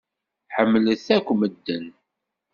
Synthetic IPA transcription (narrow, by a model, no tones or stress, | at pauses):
ħəmːləθækʷːməd̪ːən